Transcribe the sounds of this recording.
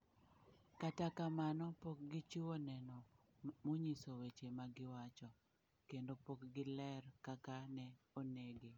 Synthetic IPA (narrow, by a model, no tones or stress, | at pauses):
katakamanɔpok̚ɡɪt͡ʃiwonɛnɔ | moɲisowet͡ʃemaɡɪwat͡ʃɔ | kendopokɡɪlɛrkakanɛoneɡe